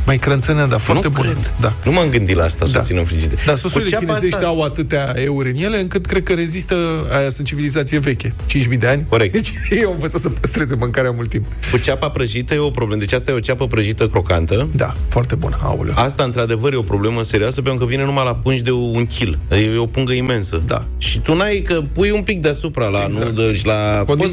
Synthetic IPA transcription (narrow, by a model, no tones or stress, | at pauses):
majkɾənt̪sənad̪afoant̪ebud̪anumamɡɨnd̪ilaast̪assa̰sinəmflit͡ʃid̪ed̪asosɾileinezeʃt̪eawat̪ɨt̪eae̞uɾʲɨnje̞le̞ɨŋkɨt̪kɾed̪̚kəɾe̞zist̪əajasɨnt̪t͡ʃivilizat̪sije̞ve̞kʲe̞t͡ʃinʃmid̪e̞anʲkoɾek̚td̪et͡ʃjewamvətzəsəpəst̪ɾe̞zemɨŋkaɾeamult̪ːimp | kut͡ʃapapɾəʒit̪əjeo̞pɾoblemd̪et͡ʃʲast̪ajeot͡ʃapəpɾəʒit̪əkɾo̞ka̰nt̪əd̪a̰foart̪e̞bṵna̰ṵl̰ast̪aɨnt̪ɾad̪e̞vəɾjeo̞pɾo̞ble̞məse̞ɾioasəpekəvine̞numajlapunʃd̪e̞uŋkʲʰileo̞puŋɡəime̞nsəd̪a̰ | ʃit̪unajkəpujumpik̚d̪easupɾalanud̪əlʃlako